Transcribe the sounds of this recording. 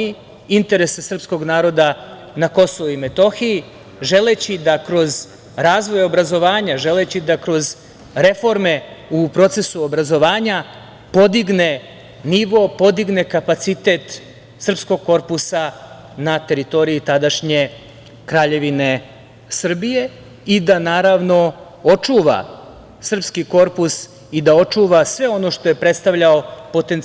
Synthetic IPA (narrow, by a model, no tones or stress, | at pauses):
i | int̪e̞ɾe̞sesr̩psko̞ɡnaːɾo̞d̪a | nako̞so̞ʋuime̞t̪o̞xii | ʒe̞let͡ɕid̪akɾo̞z | ɾaːzʋo̞jo̞bɾazo̞ʋaːɲaʒe̞le̞t͡ɕid̪akɾo̞z | ɾe̞fo̞ɾme̞upɾo̞t̪se̞suobɾazo̞ʋaːɲa | po̞d̪iɡne̞ | niʋopo̞d̪iɡne̞kapat̪sit̪e̞t̪ | sr̩psko̞ɡ̚ko̞ɾpusa | nat̪e̞ɾit̪o̞ɾiit̪ad̪aʃɲe̞ | kɾaːʎe̞ʋine̞ | sr̩bije̞ | id̪anaːɾaʋno̞ | ot͡ʂuʋa̰ | sr̩pskiko̞ɾpus | id̪ao̞t͡ʂuʋasʋe̞o̞no̞ʃt̪o̞je̞pɾe̞t̪st̪aʋʎaopo̞t̪e̞n